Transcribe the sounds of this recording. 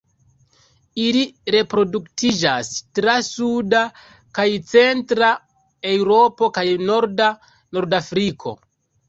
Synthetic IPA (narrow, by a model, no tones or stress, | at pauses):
iliɾe̞pɾo̞duktid͡ʒastɾasuda | kajt͡se̞ntɾa | e̞wɾo̞po̞kajno̞ɾda | no̞ɾdafɾikʰo̞̰